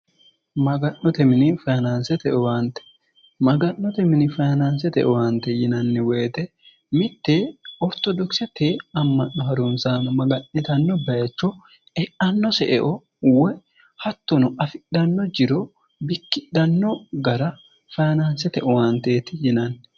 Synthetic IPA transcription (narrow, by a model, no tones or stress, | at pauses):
mɐɡɐnːɔt̪ɛmɪnɪfajnansɛt̪ɛʔɔwant̪ɛ̥ | mɐɡɐnːɔt̪ɛmɪnɪfɐnansɛt̪ɛ̰ʔɔwant̪ːɛjɪnɐnːɪweːt̪ɛ | mɪt̪ːeːɔɾt̪ɔd̪ɔksɛt̪eːɐmːɐnːɔhɐɾunsaːmɐmɐɡɐnːɪt̪ɐnːɔbɐjɐt͡ʃːɔ | ɛʔɐnːɔsɛʔɛʔɔ | wɛ | hɐt̪ːɔnɔʔɐfɪɗɐnːɔd͡ʒɪɾɔ | bɪkːɪɗɐnːɔɡɐɾɐ | fɐjnansɛt̪ɛʔɔwant̪eːt̪ɪjɪnɐnː